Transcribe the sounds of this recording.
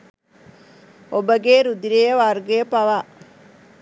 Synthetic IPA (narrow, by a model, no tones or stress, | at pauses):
obɐɡeːɾud̪iɾeːʋaɾɡepɐʋaː